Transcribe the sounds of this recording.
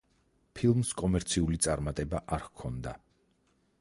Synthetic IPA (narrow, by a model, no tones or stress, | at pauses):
pʰilˠmskʼɔmɛɾt̪sʰiulit̪sʼaɾmat̪ʼɛbaʔaɾkʰɔnd̪a